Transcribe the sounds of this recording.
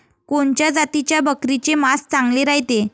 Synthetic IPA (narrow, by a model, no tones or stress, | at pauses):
koɳt͡ɕjad͡zat̪it͡ɕjabəkɾit͡ɕemast͡saŋɡleɾaɦit̪e